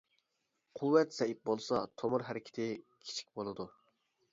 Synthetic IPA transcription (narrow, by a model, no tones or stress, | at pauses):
qʰuwːɛt̪sɛip̚bolˠsɑt̪ʰomʊɾɦæɾɪkʲʰɪ̥t̪ʰɪkʲʰi̥t͡ʃʰi̥k̚ʲbolˠɨd̪u